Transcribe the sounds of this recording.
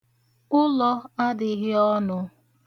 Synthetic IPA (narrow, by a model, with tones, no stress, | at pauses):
ʊ˦lɔ˦a˦dɪ˨˦ɣɪ˦ɔ˦nʊ˨˦